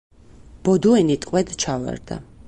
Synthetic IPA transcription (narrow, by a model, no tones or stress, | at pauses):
b̥ɔd̪uɛnit̪ʼqʼwɛd̪t͡ʃʰava̰ɾd̪̥a̰